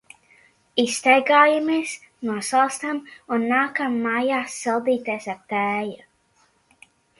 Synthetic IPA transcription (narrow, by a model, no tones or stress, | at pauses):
ist̪ajɡaːjameɛs | nuɔsalˠst̪amunːaːkamːajaːsːɛlˠd̪iːt̪eɛsaɾt̪æːju